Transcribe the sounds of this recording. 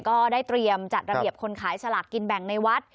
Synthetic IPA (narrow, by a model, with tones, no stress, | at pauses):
kɔː˥˩daː˥˩jt̪ɾi˧əmt͡ɕa˨˩t̪̚ɾa˧bi˨˩əp̚kʰo˧nkʰaː˩˦jsʰa˧la˨˩kːi˧nbɛ˨˩ŋna˧jwa˦˥t̪̚